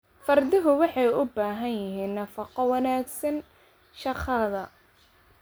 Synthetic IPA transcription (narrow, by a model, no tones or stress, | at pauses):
fɐrd̪ɪɦʊwɑħɑjʊbaːɦɐnjɪɦiːnːɐfɑqɔwɑnaːɡsɐn | ʃɑqʰɐðɐ